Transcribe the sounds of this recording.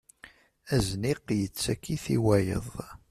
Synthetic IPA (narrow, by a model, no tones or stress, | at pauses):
æzniqjət͡sːækːiθḭwæjə̰ðˤ